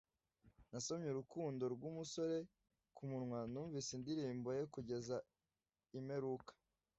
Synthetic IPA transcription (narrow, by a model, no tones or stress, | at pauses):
nasomɲeɾukuːndo̞ɾɡwumuso̞ɾe̞ | kʰumunŋwanuːɱvisindiɾiːmbo̞je̞kuɟe̞za | ime̞ɾukḁ